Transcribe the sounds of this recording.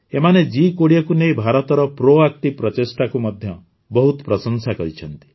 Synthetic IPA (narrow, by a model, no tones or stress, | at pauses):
emaned͡ʒikoɽijɔkunejbʱaɾɔt̪ɔɾɔpɾoak̚ʈipɾɔt̪esʈakumɔd̪ʱjɔ | bɔɦut̪ɔ̥pɾɔsɔŋsakɔɾit͡ʃʰɔnt̪i̥